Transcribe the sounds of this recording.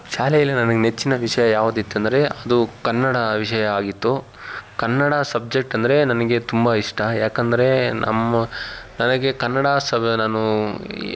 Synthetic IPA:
ʃaːlɛjɐlːinɐnɐɡenet͡ʃːinɐʋiʂɐjɐjaːʋud̪it̪ːɐnd̪ɐɾe̞ɐd̪ukɐnːɐɽɐʋiʂɐjɐaːɡit̪ːu | kɐnːɐɽasɐb̚d͡ʒe̞k̚ʈɐnd̪ɐɾe̞nɐnɐɡet̪umbɐiʂʈʰɐjaːkɐnd̪ɐɾe̞nɐ̰mːɐnɐnɐɡe̞kɐnːɐɽaːsɐnaːnu

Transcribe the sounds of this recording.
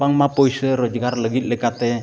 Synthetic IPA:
aŋmapoisəɾod͡ʒəɡarləɡit̪̚ləkat̪e

